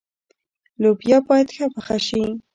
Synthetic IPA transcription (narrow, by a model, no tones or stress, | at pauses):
lʊpjapat̪xapaχaʃi